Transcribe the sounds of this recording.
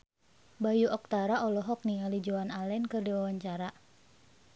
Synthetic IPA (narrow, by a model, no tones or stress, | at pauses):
bajuʔɔk̚t̪aɾaɔlɔɦɔk̚niŋalid͡ʒɔanalɛnkɨrdiwawaɲt͡ʃaɾa